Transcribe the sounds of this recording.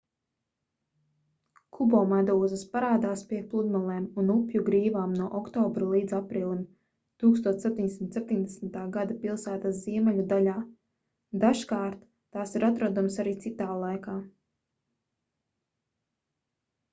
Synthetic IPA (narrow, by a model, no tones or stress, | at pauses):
kʰubɔːmad̪uːzəspaɾaːd̪aːspʲiɛplˠud̪malˠɛːmunupjuɡɾiːvaːmnuɔʔɔkt̪ɔːbɾulˠiːd̪zapɾiːlˠin | t̪uːkst̪uɔt̪ep̚ʲt̪iɲd̪esim̩t̪sep̚ʲt̪ʲiɲd̪ɛsmit̪aːɡad̪apilˠsæːt̪asz̥iɛmɛlʲud̪alʲaː | d̪aʃkaːɾt̪ːaːsiɾat̪ɾɔd̪umsaɾiːt̪sit̪aːlˠajkaː